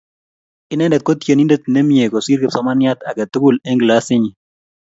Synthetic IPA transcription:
ɪ˦nɛ˦ndɛ˨t̪̚kɔ˦t̪je˨ni˦nde˦t̪̚nɛ˦mje˨kɔ˨si˦ɾke˨psɔ˨˦ma˦nja˦t̪a˨ka˨t̪ʊ˦ɡʊ˦lɛ˦ŋɡla˦sɪ˦ɲi˨

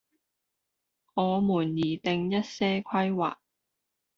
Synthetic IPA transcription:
ŋɔː˨˧muː˨˩njiː˨˩t̪ɪ˨ŋjɐ˥t̚sɛː˥kʷʰɐ˥jwa̰ː˨˩k̚

